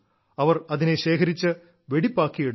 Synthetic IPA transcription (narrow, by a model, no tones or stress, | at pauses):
ɐʋɐrɐðineɕe̞ːkʰɐɾit͡ɕːɨ | ʋeɽipːaːkːijiɽ